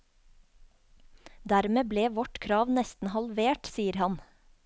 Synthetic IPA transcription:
d̪æɾmeːbleːʋɔʈkʰɾɑːʋnɛst̪n̩hɑlʋeːʈsiːəɾhɑn

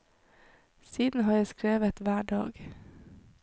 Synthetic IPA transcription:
siːd̪n̩hɑːjæskɾeːʋət̪ʋæːɖɑ̰ːɡ

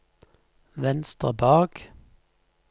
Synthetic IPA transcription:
ʋɛnst̪əbɑːɡ̥

